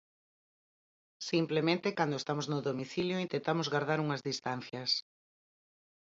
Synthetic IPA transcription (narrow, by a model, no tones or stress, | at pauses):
simplemẽnt̪ekand̪oest̪amoznʊðomiθiljoint̪ent̪amʊzɣaɾðaɾuŋɐzðist̪an̟θjɐs